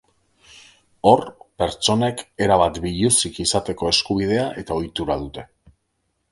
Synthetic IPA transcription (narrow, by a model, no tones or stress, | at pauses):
o̞ɾpe̞ɾt͡ʃo̞ne̞ke̞ɾaβat̪biʎusikisat̪e̞ko̞e̞skuβ̞ið̞e̞aʔe̞t̪ao̞jt̪uɾað̞ut̪e̞